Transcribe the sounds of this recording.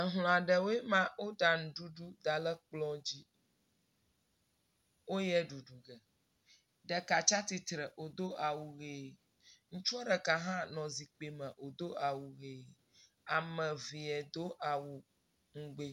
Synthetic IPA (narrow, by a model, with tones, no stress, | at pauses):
ə˨ɦl̃ɔ̃˨a˨ɖɛ˨wo˦e˦mã˦wo˦ɖa˨ŋũ˨ɖu˦ɖu˦d̪a˨lɛ˦k͡plɔ̃˦d͡ʑi˦ | wo˦jɛ˦ɖu˨ɖu˨ɡɛ˨ | ɖɛ˨ka˨t͡ʃa˦t̪i˨t̪ɾɛ˨ʔo˨d̪o˦ʔa˨wu˨ɣe˨ | ŋ̩̃˦t͡ʃu˦a˦ɖɛ˨ka˨ɦã˦nɔ̃˨zi˨k͡pe˨mɛ̃˨ʔo˨d̪o˦a˨wu˨ɣe˨ | a˨mɛ̃˨vi˨ɛ˨d̪o˦ʔa˨wu˨ | ŋ̩˦ɡ͡be˨